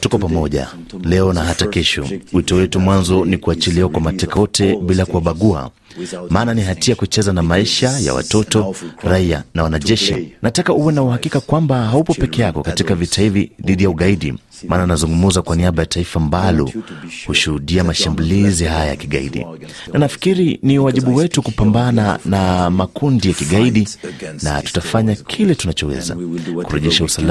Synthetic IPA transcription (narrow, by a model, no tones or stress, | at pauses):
tukɔpamɔʄa̰ | lɛɔnaɦatakɛʃɔ̰witɔwɛtumwanzɔnikuat͡ʃiliwakwamatɛkaɔtʰɛɓilakuwaɓaɠua̰ | maːnaniɦatiakut͡ʃɛzanamaiʃaja̰wa̰tɔtɔɾaia̰nawanaʄɛʃḭnatakauwɛnauhakikakwambahaupɔpɛkɛjakɔkatikavitahiviðiɗijauɠaiɗḭ | maːnanazuŋɡumuzakwaniaɓajataifambalɔ̰huʃuhuɗiamaʃambuliziɦajaja̰kiɠa̰ḭɗḭnanafi̥kiɾiniwaʄiɓuwɛtukupambananamakundijakiɠaiɗina̰tu̥tafaɲakʰilɛtunat͡ʃɔwɛ̰za̰kuɾɛʄɛʃausal